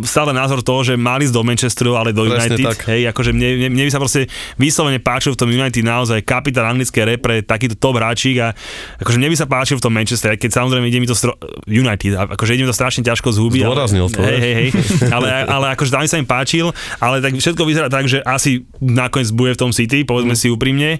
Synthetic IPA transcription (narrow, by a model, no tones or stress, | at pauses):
st̪aːlɛnaːzɔɾt̪ɔɦɔʒɛmalizd̪ɔmɛnt͡ʃɛst̪ɾualɛd̪ɔjunajt̪ikɦɛjakɔʒɛmɲɛmɲɛmɲɛbisapɾɔscɛʋiːslɔʋɛɲɛpaːt͡ʃilft̪ɔmjunajt̪̬id̪naɔzajkapit̪aːnaŋɡlit͡skɛjɾɛpɾɛt̪akiːt̪ɔt̪ɔbɦɾaːt͡ʃiːɡaakɔʒɛmɲɛbis̬apaːt͡ʃilft̪ɔmːɛnt͡ʃɛst̪ɾɛkɛcsamɔzɾɛɪjmɛiɟɛmit̪ɔst̪ɾɔjunajt̪id̪aʔakɔʒɛiɟɛmit̪ɔst̪ɾaʃɲɛcaʃkɔzɦudbiaɔɾazɲḭlt̪ɦɛɦɛjɦɛjalɛaalɛakɔʒɛt̪ambisaimpaːt͡ʃil | alɛt̪akfʃɛt̪kɔʋizɛɾaːt̪aɡʒɛʔasi | nakɔɲɛd͡zbujɛft̪ɔmsit̪̬ipɔʋɛd͡zmɛsiuːpɾimɲɛ